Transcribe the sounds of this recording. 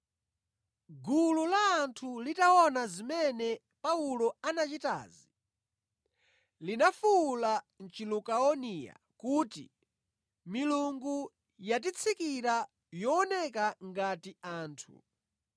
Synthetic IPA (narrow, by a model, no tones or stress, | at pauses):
ɡululaːntʰulitaɔnazimɛnɛ | paulɔanat͡ʃita̰ːzi | linafuːla | n̩t͡ʃilukaɔnija̰ | kutḭ | miluŋɡu | jat̬it͡sʰikiɾa | jɔːnɛkaŋɡatiaːntʰṵ